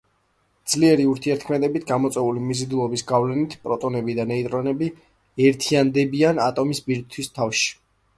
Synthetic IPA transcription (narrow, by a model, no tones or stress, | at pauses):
dd̪z̥liɛɾiuɾt̪ʰiɛɾt̪̚ʰkʰmɛd̪ɛbit̪ʰɡamɔt̪sʼɛulimizid̪ulˠɔbisɡavlɛnit̪ʰpʼɾɔt̪ʼɔnɛbid̪anɛit̪ʼɾɔnɛbi | ɛɾt̪ʰiand̪ɛbianat̪ʼɔmisbiɾ̚t̪ʰwist̪ʰafʃi̥